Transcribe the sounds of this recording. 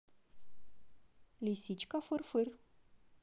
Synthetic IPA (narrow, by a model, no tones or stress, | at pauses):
lisit͡ʃkafɨɾfɨr